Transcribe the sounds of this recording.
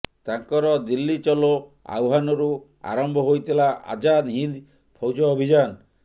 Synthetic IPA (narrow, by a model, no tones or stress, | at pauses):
t̪aŋkɔɾɔd̪ilːit͡ʃɔloa̰wɦanɔɾu | a̰ɾɔmbʱɔɦojt̪ʰilaʔa̰d͡ʒad̪ɦind̪ | pʰɔwd͡ʒɔːbʱid͡ʒan